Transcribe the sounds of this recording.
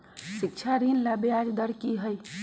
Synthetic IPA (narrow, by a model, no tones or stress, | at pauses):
sikt͡ʃʰaɾinlabead͡ʒd̪əɾkiɦəj